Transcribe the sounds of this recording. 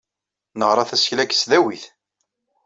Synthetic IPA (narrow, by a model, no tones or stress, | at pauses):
nəʁɾˤɑθæsçlæɡslæwiθ